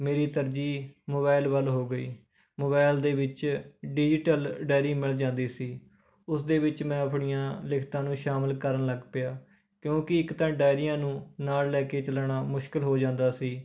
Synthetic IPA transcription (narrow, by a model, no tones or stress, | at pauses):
meːɾiːt̪əɾd͡ʒiːmoːbaːɪlʋəlɦoːɡəiː | moːbaːɪld̪eːʋɪt͡ʃɖɪd͡ʒɪʈəlɖaːɾĩːmɪld͡ʒãːnd̪iːsiː | ʊsd̪eːʋɪt͡ʃmɛ̃ːəpʰɳɪjãːlɪkʰt̪ãːnũːʃaːməlkəɾənləɡpɪjaː | kjõːkɪɪkt̪ãːɖaːɪɾɪjãːnũːnaːlːɛːkeːt͡ʃəlaːɳaːmʊʃkɪlɦoːd͡ʒãːnd̪aːsiː